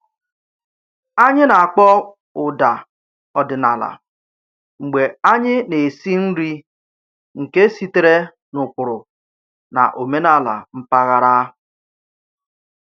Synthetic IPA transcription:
a˦ɲɪ˦na˨a˨k͡pɔ˦ | ʊ˨da˨ | ɔ˨dɪ˨na˨la̰˨ | ŋ͡m̩˨ɡ͡be˨a˦ɲɪ˦ne˨si˦n̩˦ɾi˦ | ŋ̩˨ke˦si˦te˦ɾe˦ | nʊ˨kʷʊ˨ɾʊ˨ | na̰˨ʔo˨me˦na˦˨la̰˨m̩˦pa˦ɣa˦ɾa˦

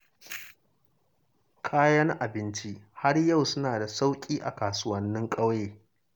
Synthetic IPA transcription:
kʰaː˦jɐ˦ŋʔa˨bɪ˦nt͡ʃi˦ha˦rjɐ˦˨wsʊ˦naː˨da˨sa˦wkʲʼiː˦ʔa̰˨kaː˨sʊ˦wɐ˦nːɪ˦ŋkʼɐ˦wjeː˦

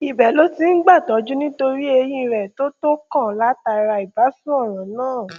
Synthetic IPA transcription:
i˨bɛ˨lo˦ti˦n̩˦ɡ͡ba˦˨tɔ˨˦d͡ʒu˦nĩ˦to˧ɾi˦e˧j̃ĩ˦˧ɾɛ˨to˦to˦kã˦˨la˨˦ta˧ɾa˧i˨ba˨˦sũ˦ɔ˦˨ɾ̃ã˨˦nãː˦˨

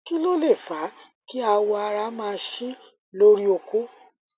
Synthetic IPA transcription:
ki˦lo˦le˦˨fa˨˦ | ki˦a˧wɔ˧a˧ɾa˧˦mãː˦˧˦ʃi˦ | lo˦ɾi˦o˧ko˦

